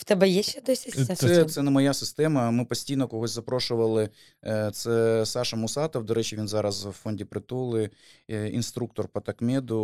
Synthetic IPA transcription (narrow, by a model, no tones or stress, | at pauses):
ft̪ɛbɛjɛʃɛd̪ɔsʲɐsʲɛt̪sɛnɛmɐjasɪst̪ɛmɐmɨpɐsʲtʲijnɔkɔɦɔzʲzɐpɾoʂʊʋɐlˠɪ | t̪sɛsɑʃɐmʊsɑt̪ɐwd̪ɔɾɛt͡ɕɪʋʲinzɑɾɐsʋfonʲdʲɪpɾɪt̪olˠɪ | inst̪ɾuk̚t̪ɔrpɐt̪ɐkmʲed̪ʊ